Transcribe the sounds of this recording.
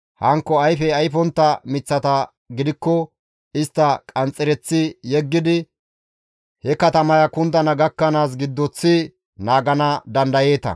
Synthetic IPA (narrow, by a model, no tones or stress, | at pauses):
hɐŋkːɔɐjfɛɐjfɔnt̪ːɐmɪt͡sːɐt̪ɐ | ɡɪd̪ɪkːɔ | ɪst̪ːɐkʼɐnt͡sʼːɪɾɛt͡sːɪjɛɡːɪd̪ɪ | hɛkɐt̪ɐmɐjɐkʊnt̪ɐnɐɡɐkːɐnaːs̬ɡɪd̪ːɔt͡sːɪ | naːɡɐnɐd̪ɐnd̪ɐje̞ːt̪ɐ̰